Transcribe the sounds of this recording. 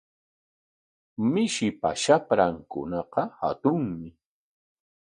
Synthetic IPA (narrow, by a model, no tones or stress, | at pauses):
mɪʃɪpa̰ʃapɾaŋkʊ̰nɑqɑha̰t̪ʊŋmɪ